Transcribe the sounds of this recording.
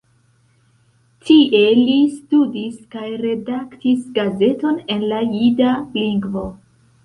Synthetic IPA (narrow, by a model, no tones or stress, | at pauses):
tʰiʔe̞listudiskajɾe̞daktisɡaze̞to̞ne̞nlajidaliŋɡvo̞